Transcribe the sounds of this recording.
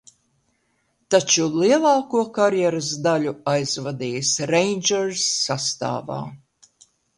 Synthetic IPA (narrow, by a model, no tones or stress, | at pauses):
t̪at͡ʃuliɛlˠɑːkuɔkaɾjɛɾas̬d̪aʎuajzvad̪iːjsɾejnd͡ʒɛɾsːast̪a̰ːva̰ː